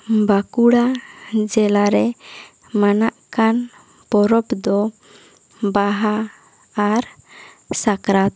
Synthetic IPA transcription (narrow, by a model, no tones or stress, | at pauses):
bakuɽad͡ʒɛlaɾɛ | manaʔkan | pɔɾɔpd̪ɔ | baɦaː | ɾ | sakɾat̪̚